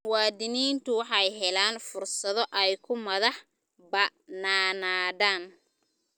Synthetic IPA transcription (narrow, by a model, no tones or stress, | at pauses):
wɑːd̪ɪniːnt̪ʰʊwɑħɑjɦɛlaːnfʊrsɐðɔʔɛjkʰʊmɐðɐħ | bɐnaːnaːðaːn